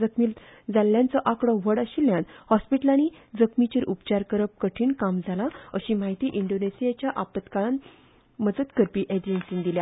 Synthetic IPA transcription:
əkmild͡zaljãnt͡səʔakɽɔʋəɽəɕiljãnhɔspiʈəlani | d͡zəkmit͡ɕiɾʔupt͡ɕaɾkəɾəp̚kəʈʰiːnkamd͡zʱalaəɕimaɦit̪iːʔiɳɖonesijat͡ɕjaʔapət̪kaɭan | məd͡zət̪kəɾpiːʔed͡ʑensiŋd̪ilja

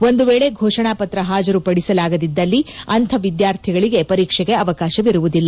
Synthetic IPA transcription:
o̞nd̪uʋeːɭe̞ɡʱɔːʂɐɳaːpɐt̪ɾɐɦaːd͡ʒɐɾupɐɽisɐlaːɡɐd̪id̪ːɐlːiɐnt̪ʰɐʋid̪jaːɾt̪ʰiɡɐɭiɡe̞pɐɾiːkʂɛɡe̞ɐʋɐkaːʃɐʋiɾuʋud̪ilːɐ

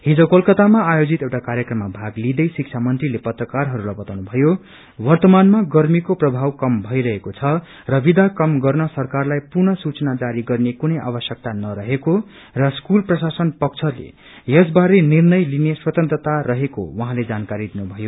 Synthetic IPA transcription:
ɦid͡zʌwkʌlkʌt̪amaːjod͡zit̪ewʈakaɾjʌkrʌmːabʱaɡlid̪ʌjsik̚t͡sʰamʌnt̪rilepʌt̪rʌkarɦʌɾulajbʌt̪awnubʱʌjo | wʌrt̪ʌmanmaɡʌrmikoprʌbʱawkʌmbʱʌjɾʌɦekot͡sʰʌ | rʌbid̪ʱakʌmɡʌrnʌsʌrkarlajpurnʌsut͡sʌnad͡zaɾiɡʌrnekunʌjʔa̰bʌsjʌk̚t̪anʌɾʌɦeko | rʌskulprʌsasʌnpʌk̚t͡sʰʌlḛ | jesbaɾenirnʌjlineswʌt̪ʌnt̪rʌt̪arʌɦeko̰wʌɦãled͡zankaɾid̪inubʱʌjo

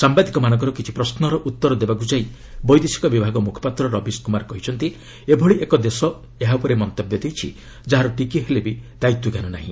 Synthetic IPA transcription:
sambad̪ikɔmanɔ̃ŋk̬ɔɾɔkit͡ʃʰi̥pɾɔsnɔɾɔʔut̪ːɔɾɔd̪ebak̬ud͡ʒaj | bɔjd̪esi̥kɔbibʱaɡɔmukʰɔ̥pat̪ɾɔɾɔbiskumaɾkɔɦit͡ʃʰɔnt̪i | ebʱɔɭiʔekɔd̪esɔ | eɦapɔɾemɔnt̪ɔbjɔd̪ejt͡ʃʰḭ | d͡ʒaɦaɾɔʈikiɦelebid̪̥ajt̪ːuɡanunaɦḭ̃

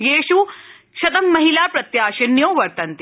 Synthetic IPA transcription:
jeːʃu | ʃɐt̪ɐmːɐɦilaːpɾɐt̪jaːʃɐnjoːʋɐɾt̪ɐnt̪

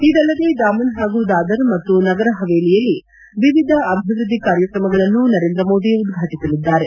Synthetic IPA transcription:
id̪ɐlːɐd̪e̞d̪aːmɐnɦaːɡud̪aːd̪ɐɾmɐt̪ːunɐɡɐɾɐɦɐʋeːlijɐlːi | ʋiʋid̪ʱɐɐbʱiʋɾud̪ʱːikaːɾjɐkɾɐmɐɡɐɭɐnːunɐɾe̞ːnd̪ɾɐmo̞ːd̪iud̪ɡʱaːʈisɐlid̪ːaːɾe̞

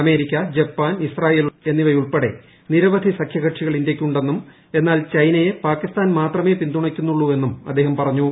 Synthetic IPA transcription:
ɐme̞ːɾikʲːɐd͡ʑepːaːnisraːje̞ːlue̞nːiʋɐjuɭpeɽe̞̰ | niɾɐʋɐd̪ʱisɐkʰjɐɣɐʈʂiɣɐɭindjekʲːuɳɖe̞nːum | e̞nːaːlt͡ɕɐjnɐjepaːkːist̪aːnmaːt̪rɐme̞ːpind̪uɳɐkʲːunːuɭːue̞nːumɐ̰d̪ːe̞ːɦɐmpɐrɐɲːu

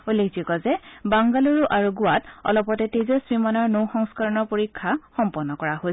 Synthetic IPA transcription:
ulːekʰd͡ʒikɔzɛbaŋɡaluɹuʔaɹuɡʊwatɔ̰lɔpɔtɛtezɔsɹimanɔɹnowxɔŋskaɹɔnɔɹpoɹikʰːaxɔmpɔnːɔkɔɹaɦo

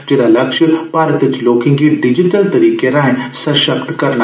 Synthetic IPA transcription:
d͡ʒeːdalɐkʃəpaːɾət̪ɪt͡ʃloːkɪ̃ŋɡiɖɪd͡ʒɪʈəlt̪ɐɾiːkeɾãːɦẽsɐʃəbd̪kɐɾna

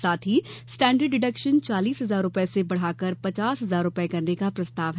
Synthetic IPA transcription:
saːt̪ʰɦisʈɛ̃ːɳɖəɖːɪɖəkʃənt͡ʃaːliːsɦɐzaːɾːʊpɛsebɐɽ̤aːkəɾpɐt͡ʃaːsɦɐzaːɾʊpekɐɾnekapɾɐst̪aːʋɦɛ

